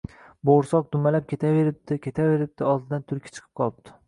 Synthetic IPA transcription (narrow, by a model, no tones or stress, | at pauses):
boɾsɒq̚d̪ʊmalap̚kʲʰe̞t̪ʰave̞ɾɪp̚d̪ɪkʲʰe̞t̪ʰave̞ɾɪp̚d̪̥ɪɒlˠd̪ɪd̪ant̪ʰʊɾkʲʰḁt͡ʃʰɨ̥qʰɨ̥p̚qʰɒlˠɪp̚d̪̥ʰɪ̥